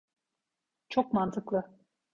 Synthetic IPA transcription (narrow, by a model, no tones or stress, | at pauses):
t͡ʃok̚mɑnt̪ɤklˠɤ̆